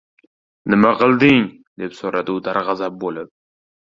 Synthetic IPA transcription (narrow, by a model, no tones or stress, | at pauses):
nɪmaqʰɨlˠd̪ɪŋ | d̪e̞psoɾad̪ɪʊd̪aɾʁɑzap̚bolɪp̚